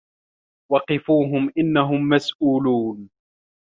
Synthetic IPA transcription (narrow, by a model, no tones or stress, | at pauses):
wɑqɪfuːɦʊmʔɪnːaɦʊmːasʔuːluːn